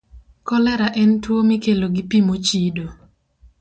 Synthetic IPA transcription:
kɔlɛɾaʔɛntwomikeloɡipimot͡ʃido

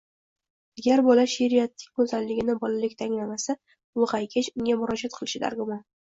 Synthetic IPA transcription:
aɡʲaɾbɒlaʃeɾijat̪ːɪ̥kʲkɵzallɪɡʲɪnɪbɒlalɪkʲt̪ʰaŋlamasa | ʊqajkʲʰat͡ʃʊŋʲamʊɾɒd͡ʒat̪̚qʰɨlˠɪʃɪd̪a̰ɾɡʊman

